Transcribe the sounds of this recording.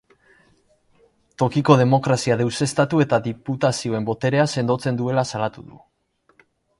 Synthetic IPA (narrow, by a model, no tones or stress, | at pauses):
t̪o̞kiko̞ð̞e̞mo̞kɾasiaðewse̞st̪at̪ue̞t̪aðiput̪asio̞e̞mbo̞t̪e̞ɾe̞ase̞nd̪o̞t͡se̞nd̪ue̞lasalat̪uðṵ